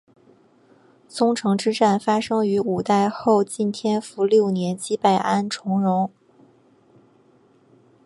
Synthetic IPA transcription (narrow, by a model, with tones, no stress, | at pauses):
sʊ˥ŋʈ͡ʂʰɤ˧˥ŋʈ͡ʂɻ̩˥ʈ͡ʂa˥˩nfa˥ʂɤ˥ŋy˧˥u˨˩t̪a˥˧ɪxo˥˧ʊt͡ɕi˥˩nt̪ʰjɛ˥nfu˧˥ljo˥˩ʊnjɛ˧˥nt͡ɕi˥pa˥˩ɪʔa˥nʈ͡ʂʰʊ˧˥ŋɻʊ˧˥ŋ